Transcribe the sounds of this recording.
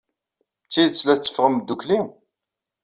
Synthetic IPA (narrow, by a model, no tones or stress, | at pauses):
t͡sːiðt͡sːlæt͡sːə̥fʁəmːəd̪ːukli